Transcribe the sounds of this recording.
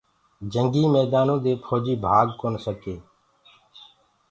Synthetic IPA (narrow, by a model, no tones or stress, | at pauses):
d͡ʒəŋɡiːmɛːd̪aːnõːd̪eːpʰoːd͡ʒiːbʱaːɡkoːnsəkeː